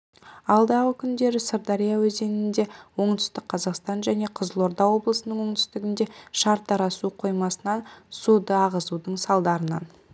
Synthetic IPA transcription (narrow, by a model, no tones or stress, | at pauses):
ɑlˠd̪ɑʁəkʲʰʏnd̪e̞ɾɪsəɾd̪ɑɾijawɵze̞nɪnd̪e̞wo̞ɴt̪ʰʏ̥st̪ɪk̚qʰɑzɑqst̪ɑnʒæne̞qʰəzəlˠo̞ɾd̪ɑwo̞blˠəsənəɴwo̞ɴt̪ʰʏ̥st̪ɪɡʲɪnd̪e̞ʃɑɾt̪ːɑɾɑsuqʰo̞jmɑsənɑnsud̪əɑʁəzud̪əɴsɑlˠd̪ɑɾənɑ̰n